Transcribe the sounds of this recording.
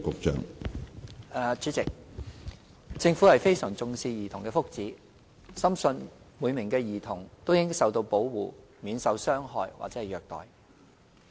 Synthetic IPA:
kʊ˨k̚t͡ʃœ̰ː˨ŋ˨ | t͡ʃyː˨˥t͡sɪ˨k̚ | t͡sɪ˧ŋfu˨˥hɐ˨˩jfe˥jsœː˨˩ŋt͡sʊ˧ŋsiː˧jiː˨˩t̪ʰʊ˨˩ŋkɛː˧fʊ˥k̚t͡siː˨˥ | sɐ˥msɵ˧n | muː˨˧jmɪ˨˩ŋkɛː˧jiː˨˩t̪ʰʊ˨˩ŋt̪wjɪ˥sɐ˨wt̪o˧wpo˨˥wwuː˨˩ | miː˨˧nsɐ˨˥wsœː˥ŋɦɔ̰ː˧jwa̰˨t͡sɛː˨˥hɐ˨jœː˨k̚t̪ɔ̰ː˨j

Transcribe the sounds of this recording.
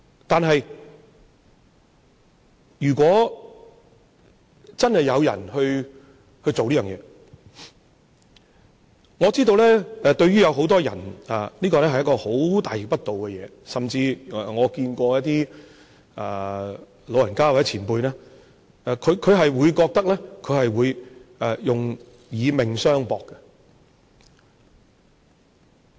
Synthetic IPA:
t̪aː˨nɦɐ˨j | jyː˨˩kʷɔː˨˥ | t͡sɐ˥nhɐ˨˩jːɐ˨˧wjɐ̰˨˩nhɵ˧ɥ | hɵ˧ɥt͡so˨wliː˥jœː˨ŋjɛ̰ː˨˧ | ŋɔː˨˧t͡siː˥t̪̬o˧wlɛː˥ɛ˧t̪ɵ˧ɥyː˥jɐ˨˧wɦo˨˥wt̪ɔː˥jɐ̰˨˩naː˨liː˥kɔː˧lɛː˥hjkɔː˧ho˨˥wt̪aː˨˩ji˨pɐ˥t̚t̪o˨wkɛ˧jɛ̰ː˨˧ | sɐ˨mt͡siː˧˨ŋɔː˨˧kiː˧nkʷɔː˧jɐ˥t̚t̪iː˥ | a˨˧ | lo˨˧wjɐ˨˩nkaː˥wt͡sɛ˨˥t͡sʰiː˨˩npuː˧jnɛː˥ | ɛ˨˧kʰɵ˨˧ɥkʰɵ˨˧ɥɦɐ˨jwuː˨˧jkɔː˧k̚t̪ɐ˥k̚lɛː˥kʰɵ˨˧ɥhɐ˨jwuː˨˧jʔɛ˨˩jʊ˨ŋ | jiː˨˧mɪ˨˩ŋsœː˥ŋpɔː˧kːɛ˧

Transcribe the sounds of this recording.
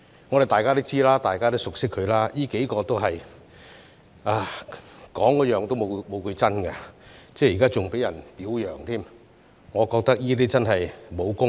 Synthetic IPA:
ŋɔː˨˧ɾt̪aː˨jkaː˥t̪i˥wt͡siː˥laː˥t̪aː˨jkaː˥t̪o˥wsʊ˨k̚sɪ˥kʰːɵ˨˧ɥlaː˥jiː˥ke˨˥jkɔː˧t̪o˥wɦɐ˨j | aː˧kɔː˨˥ŋkɔː˨˥jœː˨ŋt̪o˥wmo˨˧mo˨˧wkɵ˨˧ɥt͡sɐ˥nkɐ˧t͡sɛː˥˩jːkaː˥t͡sʊ˨ŋpe˨˥jɐ˨˩npiː˨˥wjœː˨˩ŋt̪ʰiː˥m | ŋɔː˨˧kɔː˧k̚t̪ɐ˥k̚jiː˥t̪̬iː˥t͡sɐ˥nɦɐ˨jmo˨˧wkʊ˥ŋ

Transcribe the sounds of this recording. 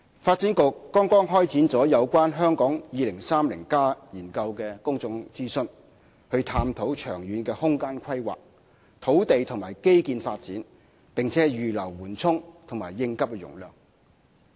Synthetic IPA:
faː˧t̚t͡si˨˥nkʊ˨kːɔː˥ŋkɔː˥ŋɦɔː˥jt͡siː˨˥nt͡sɔː˨˥jɐ˨˧wkʷaː˥nɦœː˥ŋkɔː˨˥ŋjiː˨˧lɪ˨˩ŋsaː˥mlɪ̰˨˩ŋkaː˥jiː˨˩nkɐ˧wkɛː˧kʊ˥ŋt͡sʊ˧ŋt͡siː˥sɵ˧n | hɵ˧ɥt̪ʰaː˧mt̪ʰo˨˥wt͡ʃʰœː˨˩ŋjyː˨˧nkɛː˧hʊ˥ŋkaː˥nkʷʰɐ˥jwa̰ː˨k̚ | t̪ʰo˨˥wt̪e˨jt̪ʰʊ˨˩ŋmaː˨˩jke˥jkiː˧nfaː˧t̚t͡siː˨˥n | pɪ˨ŋt͡sʰɛː˨˥jyː˨lɐ˨˩wwuː˨˩nt͡sʰʊ˥ŋt̪ʰʊ˨˩ŋmaː˨˩jːɪ˧ŋkɐ˥p̚kɛ˧jʊ̰˨˩ŋlœː˨ŋ

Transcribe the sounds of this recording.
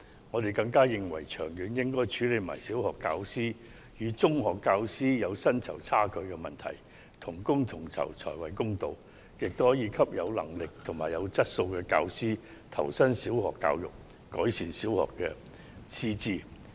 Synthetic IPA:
ŋɔː˨˧t̪e˨jkɐ˧ŋkaː˥jɪ˨ŋwɐ̰˨˩jt͡ʃʰœː˨˩ŋjyː˨˥njɪ˥ŋkɔː˥jt͡ʃʰyː˨˥le˨˧jma̰ː˨˩jsiː˨˥whɔː˨kːaː˧wsiː˥ | jyː˨˧t͡sʊ˥ŋɦɔː˨˩kːaː˧wsiː˥jɐ˨˧wsɐ˥nt͡sʰɐ̰˨˩wt͡sʰaː˥kɵ˧ɥkɛ˧mɐ˨nt̪ʰɐ̰˨˩j | t̪ʰʊ˨˩ŋkʊ˥ŋt̪ʰʊ˨˩ŋt͡sʰɐ̰˨˩wt͡sʰɔ̰ː˨˩jwɐ̰˨˩jkʊ˥ŋt̪o˧w | jɪ˨k̚t̪o˥whɔː˨˥jiː˧kʰɐ˥p̚jɐ̰˨˧wlɐ̰˨˩ŋlɪ˨k̚t̪ʰʊ˨˩ŋmaː˨˩jɐ˨˧wt͡sɐ˥t̚so˧wkɛː˧ka̰ː˧wsiː˥ | t̪ʰɐ̰˨˩wsɐ˥nsi˨˥whɔ̰ː˨˩kːa̰ː˧wjʊ̰˨˩k̚ | kɔː˨˥jsiː˨nsiː˨˥whɔ̰ː˨kːɛ̰ː˧ | t͡sʰiː˥t͡siː˥

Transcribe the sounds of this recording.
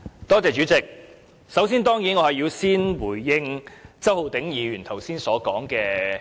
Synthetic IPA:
t̪ɔː˥t͡sɛː˨t͡ʃyː˨˥t͡sɪ˨˩k̚ | sɐ˨˥wsiː˥nt̪ɔː˥ŋjiː˨˥nŋɔː˨˧hɐ˨jiː˨˧wsiː˥nwuː˨˩jːɪ˧ŋt͡sɐ˥who˨˧wt̪ɪ˨˥ŋjiː˨˧ɥyː˨˩nt̪ʰɐ˨˩wsiː˥nsɔː˨˥kɔː˨˥ŋkɛː˧

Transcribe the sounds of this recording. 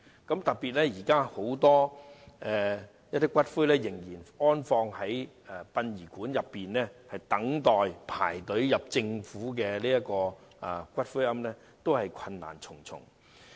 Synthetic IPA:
kɐ˨˥mt̪ɐ˨k̚piː˨t̚lɛː˥jiː˨˩kaː˥ho˨˥wt̪ɔː˥ɛː˨˧ | jɐ˥t̪ːiː˥kʷwɐ˥t̚fu˥jlɛː˥jɪ˨˩ŋjiː˨˩nɔː˥nfɔː˧ŋhɐ˨˥j | ɛ˨˩pɐ˧njiː˨˩kuː˨˥njɐ˨pːiː˨nlɛː˥hɐ˨jt̪ɐ˨˥ŋt̪ɔː˨jpʰa̰ː˨˩jt̪ɵ˨˥ɥjɐ˨p̚t͡sɪ˧ŋfuː˨˥k̬ɛː˧liː˥ɐ˥kɔː˧ | a˨˧kʷɐ˥t̚fu˥ɐ˥mlɛː˥ | t̪o˥whɐ˨jkʷʰɐ˧nːa̰ː˨˩nt͡sʰʊ˨˩ŋt͡sʰʊ̰˨˩ŋ

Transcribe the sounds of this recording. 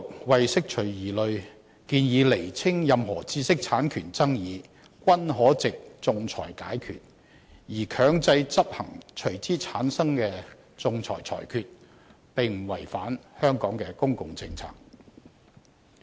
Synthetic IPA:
ʊ˨k̚wɐ˨jsɪ˥k̚t͡ʃʰɵ˨˩ɥjiː˨˩lɵ˨˧ɥ | kiː˧njiː˨˧le˨˩jt͡sʰɪ˥ŋjɐ˨mɦɔː˨˩t͡siː˧sɪ˥k̚t͡sʰaː˨˥nkʰyː˨˩nt͡sɐ˥ŋjiː˨˧ | kwɐ˥nɦɔː˨˥t͡sɪ˨k̚t͡sʊ˨˧ŋt͡sʰɔ̰ː˨˩jkaː˨˥jkʰy̰ː˨t̚ | jiː˨˩kʰœː˨˧˥ŋt͡sɐ˧jt͡sɐ˥p̚hɐ̰˨˩ŋt͡ʃʰɵ˨˩ɥt͡siː˥t͡sʰaː˨˥nsɐ˥ŋkɛː˧ | t͡sʊ˨˧ŋt͡sʰɔ̰ː˨˩jt͡sʰɔ̰ː˨˩jkʰyː˨˧t̚ | pɪ˨ŋm̩˨˩wɐ˨˩jfaː˨˥nhœː˥ŋkɔː˨˥ŋkɛ˧kʊ˥ŋkʊ˨ŋt͡sɪ˧ŋt͡sʰa̰ː˧˥k̚

